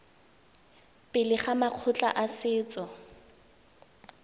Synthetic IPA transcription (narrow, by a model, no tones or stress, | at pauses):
pʼɪlɪχamaq͡χʰʊt͡ɬʼa̰ʔasɪːt͡sʼɔ